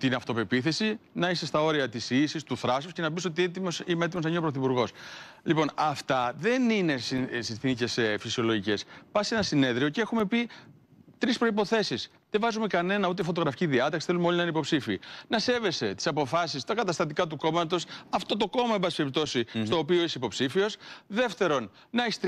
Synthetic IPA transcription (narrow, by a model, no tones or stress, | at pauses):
t̪inɐft̪o̞pe̞piθe̞sinɐist̪est̪ɐo̞ɾiɐt̪isisist̪uθɾɐsusce̞nɐpis̬o̞t̪iet̪imosimeet̪imo̞znɐinopɾoθipuɾɣo̞slipo̞nɐft̪ɐðe̞nine̞ssinθinice̞sfisio̞lo̞ʝice̞spɐse̞nɐsine̞ðɾio̞ceexume̞pi | t̪ɾispɾo̞ipo̞θe̞sis | ðevɐzume̞kɐne̞nɐut̪̬efo̞t̪o̞ɣɾɐficiðiɐt̪ɐksi̥θelumeo̞linɐinipo̞psifiiːnɐse̞ve̞se̞t̪i̥sɐpo̞fɐsist̪ɐkɐt̪ɐst̪ɐt̪̬ikɐt̪uko̞mɐt̪o̞sɐft̪o̞t̪o̞ko̞mɐembɐsi̥peɾip̚t̪o̞sist̪o̞ːpioiseipo̞psifio̞sðe̞ft̪e̞ɾo̞n | nɐeçist̪